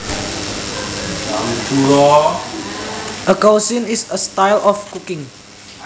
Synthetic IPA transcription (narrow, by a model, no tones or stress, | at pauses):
atuɾɔ | ʔəkowsĩnisəstajlʔɔfkukɪ̃ŋ